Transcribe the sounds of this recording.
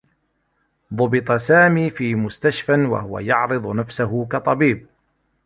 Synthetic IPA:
ðˤʊbɪt̪ˤɑsaːmiːfiːmʊst̪aʃfanwa̰hʊwa̰jɑʕɾɨd̪ˤnafsaɦʊkɑt̪ˤɑbiːb̚

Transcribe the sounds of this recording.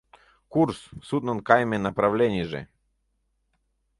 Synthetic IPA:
kurssut̪nɐnkajmʲenɐpɾɐvlʲenʲɪjʐɨ̰

